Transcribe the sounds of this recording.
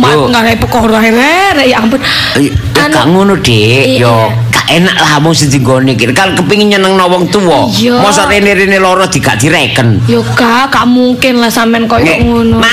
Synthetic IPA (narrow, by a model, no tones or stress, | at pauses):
maŋɡaɾaipəkɔɾɔaiɾeɾɛʔjʔampʊn | kaʔŋunod̪̥eʔjɔ | kaʔenaʔlaɦamʊŋsid͡ʒ̪i̤ŋɡonikinkarkəpiŋiɲənəŋnɔwɔŋt̪uɔjɔmɔsɔɾeneɾinelɔɾɔd̪̥i̤ɡa̰ʔd̪̥i̤ɾekənjokaʔkaʔmuŋkɪnlahsamɛnkɔjŋuno